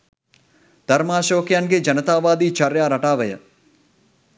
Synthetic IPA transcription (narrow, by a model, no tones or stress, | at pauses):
d̪̥ɐɾmaːʃoːkjanɡed͡ʒɐnət̪aːʋaːd̪iːt͡ʃɐɾjaːɾɐʈaːʋəjə̰